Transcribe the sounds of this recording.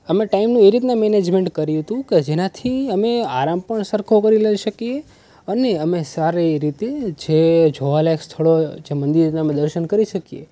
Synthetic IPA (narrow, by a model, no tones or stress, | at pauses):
əmeʈaimnũeɾit̪namened͡ʒmẽɳʈkəɾjuɦət̪ũked͡ʒenat̪ʰiəmeaɾampəɳsəɾkʰokəɾiləiʃəkie | əneəmesaɾeɾit̪ed͡ʒed͡ʒʱoʋalekst̪ʰəɭod͡ʒemənd̪iɾneəmed̪əɾʃənkəɾiʃəkijḛ